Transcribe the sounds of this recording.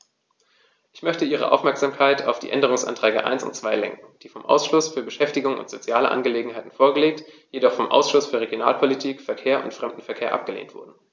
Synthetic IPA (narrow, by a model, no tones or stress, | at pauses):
ʔɪçmœçtəʔiːʁ̞ə̰ʔa̰ʊfmɛɐkz̥aːmkʰaɪtʰa̰ʊfd̥ḭːʔɛndəʁ̞ʊŋsʔa̰ntʁ̥ɛːɡə̰ʔa̰ɪnsʊ̰ntt͡sv̥aɪlɛŋkŋ̩d̥iːfɔmʔa̰ʊsʃlʊsfyːɐbəʃɛftɪɡʊŋʊ̰ntz̥ot͡sjaːlə̰ʔa̰nɡəleːɡŋ̩ɦaɪtn̩foːɐɡəleːk̚t | jedɔχfɔmʔa̰ʊsʃʊsfyːɐʁeɡjona̰ːlpʰolitʰiːkfɛɐkʰeːɐʔʊ̰ntfʁ̥ɛmdn̩fɛɐkʰeːɐʔa̰p̚ɡ̥əlḛːntv̥ʊ̰ɐdn̩